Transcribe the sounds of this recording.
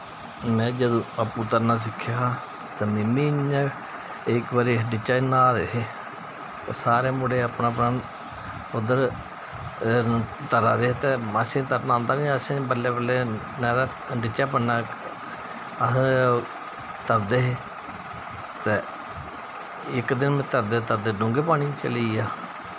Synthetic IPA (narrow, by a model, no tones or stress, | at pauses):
mɛ̃ːd͡ʒəd̪õːəpːuːt̪əɾnaːs̬ɪkʰːjaː | t̪ɛːmẽːmiː | ɪkʋəɾiːɖɪt͡ʃːaːnaːd̪eːɦeː | t̪esaːɾeːmʊɽeːəpnãːpnaː | ʊd̪əɾ | t̪əɾaːd̪eːt̪eːmasẽt̪əɾnãːnd̪aːnĩəsẽbəleːbəlːeː | nɛːɾaː | ɖɪt͡ʃːaːpənːaː | əs | t̪əɾd̪eːɦeː | t̪eː | ɪkd̪ɪnmẽt̪əɾd̪eːt̪əɾd̪eːɖʊ̃ŋɡeːpaːɽiːt͡ʃəliːaː